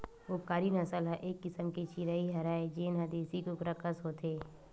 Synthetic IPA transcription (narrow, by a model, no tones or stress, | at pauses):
ʋoːkaːɾinɐsəlɦaʔeːkːɪsəmket͡ʃiɾaiɦɐɾaːed͡ʒeːnɦɐd̪eːsikokɾəkəsɦoːt̪ʰeː